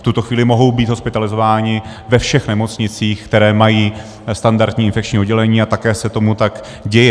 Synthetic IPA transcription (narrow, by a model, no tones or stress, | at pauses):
ft̪ut̪o̞xviːlɪmo̞ɦo̞wbiːt̪ɦospɪt̪alɪzo̞vaːɲɪ | vɛfʃɛxnɛmo̞t͡sɲɪt͡siːxkt̪ɛɾɛːmajiː | st̪andaɾt̪ɲiːɪnfɛkt͡ʃɲiːo̞dɟɛlɛɲiːat̪akɛːsɛt̪o̞mut̪ak | ɟɛjɛ